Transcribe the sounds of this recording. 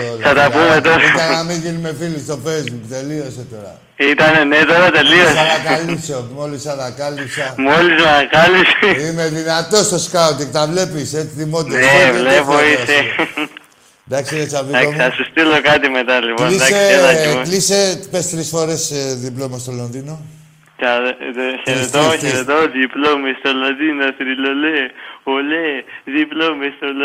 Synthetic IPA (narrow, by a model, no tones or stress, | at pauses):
osɐt̪ɐpumet̪oiɐnamiɣinimefilist̪o̞fejzbukt̪elioset̪oɾɐ̰ | it̪ɐnenet̪oɾat̪eliosaaklipsomolisɐt̪ɐkalipsɐmolizmɐkalisimeðinɐt̪ost̪oskaot̪ikt̪ɐvlepiset͡sit̪imot̪eevlepoise | d̪aksiet͡ʃabiaosasust̪ilokat̪imet̪alebolidaelalisepest̪ɾisɔɾesd̪iplomast̪ɔlɔnd̪ino | t͡ʃaseɾet̪oseɾed̪ɔd̪iplomistɔlod̪inɐsɾiloleoled̪iplomest̪ɔl